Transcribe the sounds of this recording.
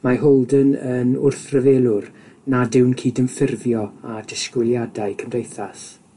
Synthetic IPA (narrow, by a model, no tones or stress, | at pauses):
maɦɔlˠdənənʊrθrəveːlˠʊr | nadɪwnkʰiːdənfɪrvjɔadɪskwɪlˠjadaɨkʰəmdejθas